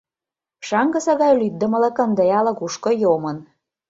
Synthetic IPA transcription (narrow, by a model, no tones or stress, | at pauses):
ʃɑŋɡə̆sɑɣɑjlyt̪̚d̪ə̆mə̆lə̆kə̆nd̪əjɑlɤ̆kuʃkŏjomə̆n